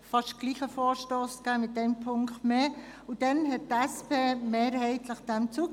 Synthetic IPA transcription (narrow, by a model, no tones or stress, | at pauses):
fɑʃtɡ̥liːχəfoːɾʃtoːsɡ̥æːmɪt̚d̥ɛmpʰʊŋkχtmeː | ud̥ɛnɦɛt̚tɛspʰeːmeːɾhɛɪtʰləχd̥ɛmt͡suːk